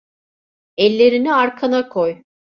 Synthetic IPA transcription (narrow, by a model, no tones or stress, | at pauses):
ɛlʲːe̞ɾiniaɾkʰanakʰoj